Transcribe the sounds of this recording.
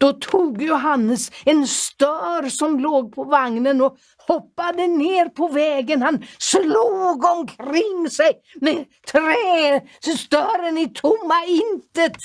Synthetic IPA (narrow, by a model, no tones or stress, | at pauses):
d̪̥ɔt̪ʰuːɡjʊɦanːəsɛnst̪œːɾsɔmloːɡ̚pʰɔvaŋnənɔ | hɔpːad̪əneːɾpʰɔvɛːɡənhansluːɡɔmkʰɾɪŋːsɛj | mɛ | t̪ʰɾɛːst̪œːɾənɪt̪ʰʊmːaɪnt̪ət̪